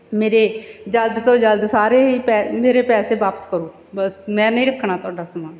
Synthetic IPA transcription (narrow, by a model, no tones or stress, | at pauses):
meːɾeːd͡ʒəld̪t̪õːd͡ʒəld̪saːɾeːɦiːpɛːmeːɾeːpɛːseːʋaːpə̥skəɾoː | bəsmɛ̃ːnəĩːɾəkʰːɳaːt̪ʊaːɖaːsəmãː